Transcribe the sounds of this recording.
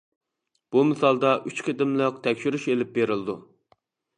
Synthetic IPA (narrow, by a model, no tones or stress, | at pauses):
b̥umɪsɑlˠd̪ɑʔyt͡ʃqʰʲed̪ɪmləq̚t̪ʰɛkʲʃyɾyʃelɪp̚beɾɪlˠɪd̪u